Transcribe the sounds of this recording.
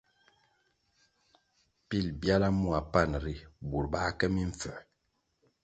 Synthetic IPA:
pi˦˨lbja˦la˦mu˦a˨pa˦˨nɾi˦bu˨ɾba˦kɛ˦mi˦ɱ˨fɛ˨

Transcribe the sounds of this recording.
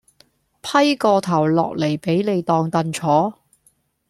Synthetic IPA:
pʰɐ˥jkɔː˧t̪ʰɐ˨˩wlɔ̰ː˨k̚le˨˩jpe˨˥jne˨˧jt̪ɔː˧ŋt̪ɐ˧nt͡ʃʰɔː˨˥

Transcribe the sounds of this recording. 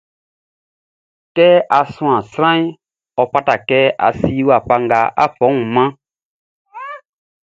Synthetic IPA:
tɛ˦a˧sũ˦ã˨sɾã˦i˦ | ɔ˧pa˦ta˨kɛ˦a̰˧si˦wa˨pa˧ŋɡa˧a̰˦fɔ̃˨˦ŋũ˨mã˦

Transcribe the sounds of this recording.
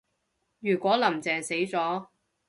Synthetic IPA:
jyː˨˩kʷwɔː˨˥lɐ˨˩mt͡sɛː˨ŋse˨˥jt͡sɔː˨˥

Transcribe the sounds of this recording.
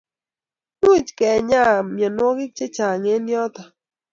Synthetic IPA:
nu˦t͡ʃkɛ˨ɲa˦˨mjɔ˨nwɔ˦ɡɪ˦t͡ʃe˦t͡ʃa˨ŋe˦nɪ˦ɔ˦t̪ɔ˨

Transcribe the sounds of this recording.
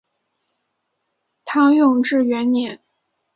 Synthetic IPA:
t̪ʰɑ˥jʊ˥˧ŋʈ͡ʂɻ̩˥˩ɥɛ˧˥nnjɛ˨˧˥n

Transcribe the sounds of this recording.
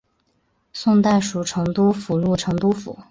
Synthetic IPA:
sʊ˥˧ŋt̪a˥˩ɪʂu˨˩ʈ͡ʂʰɤ˧˥ŋt̪u˥fu˨˩lu˥˩ʈ͡ʂʰɤ˧˥ŋt̪u˥fṵ˨˩˦

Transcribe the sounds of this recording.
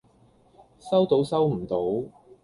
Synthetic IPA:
sɐ˥wt̪o˨˥wsɐ˥wm̩˨˩t̪o˨˥w

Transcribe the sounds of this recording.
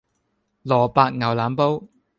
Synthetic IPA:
lɔː˨˩paː˧k̚ŋɐ˨˩wlaː˨˥mpo˥w

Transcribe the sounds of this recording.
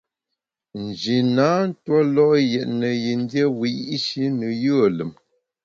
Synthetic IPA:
n̩˨d͡ʒi˨na˨˦n̩˦twɔ˦lɔ˦jɛ˨ʔnə˨ji˨n˦dje˦wi˨˦ʔʃi˦nə˨jə˦˨lə˨m

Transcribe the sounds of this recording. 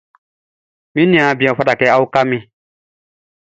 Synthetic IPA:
mĩ˦nĩ˨ã˨˦˨bi˨ã˨fa˦ta˨kɛ˦a˦u˦ka˦mĩ˦

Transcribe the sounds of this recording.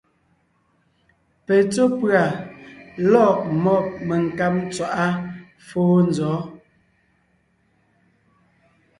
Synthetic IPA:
pe˨t͡so˦pɰa˨ | lɔ˦˨ʔmɔ˦˨p̚me˨ŋ̩˨ka˦p̚t͡swa˨ʔa˦ | foː˦n̩˨zɔː˨˦

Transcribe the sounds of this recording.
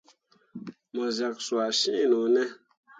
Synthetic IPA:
mɔ˨zɛ˨k̚swa˨ʃi˦˨nu˨nɛ˦

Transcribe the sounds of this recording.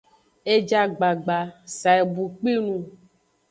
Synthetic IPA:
e˦d͡ʒa˦ɡ͡ba˨ɡ͡ba˨sa˨e˨bu˨k͡pi˦nũ˦

